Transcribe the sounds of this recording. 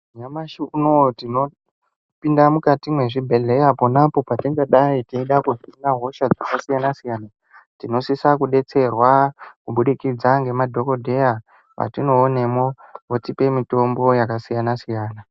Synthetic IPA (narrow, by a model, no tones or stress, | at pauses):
ɲamaʃunotino̞ | pindamukatimwe̞ʐibʱe̞le̞japonapo̞patiŋɡeɗaitiiɗakufinaɦo̞ʃad͡zakasijanasijaːna | tino̞sisakuɗe̞t͡se̞rwakuɓuɗikid͡zaŋɡe̞madʱo̞ko̞dʱe̞ja | ʋa̰tino̞ːne̞moʋotipe̞mito̞mbo̞jakasijanasijaːna